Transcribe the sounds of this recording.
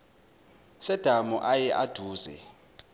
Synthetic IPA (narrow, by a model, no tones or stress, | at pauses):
sɛd̥ʱamuʔajɛʔad̥ʱuːzɛ̰